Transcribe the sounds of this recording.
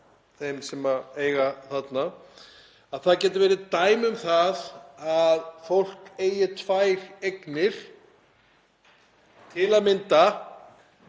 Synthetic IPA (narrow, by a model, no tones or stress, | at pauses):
θejmsɛmaeːjɣaθat̪na | aðθaðcɛːt̪ɪvɛːɾɪt̪aːjmʏmθaðaðfowl̥keːjɪt̪ʰvaːjɾeknɪɾ̥ | t̪ʰɪlaðmɪnt̪a